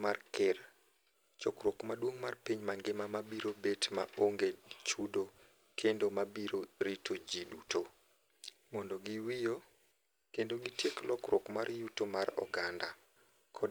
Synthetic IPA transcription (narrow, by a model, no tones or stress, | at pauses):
markɪr | t͡ʃɔkɾokmadwoŋmarpiɲmaŋɡɪmamabiɾobetma̰ʔoŋɡet͡ʃudo | kʰendomabiɾoɾitʰod͡ʒidutʰo | mɔndoɡiwijo | kendoɡitjeklɔkɾokmarjutomarɔ̰ɡanda | kʰɔ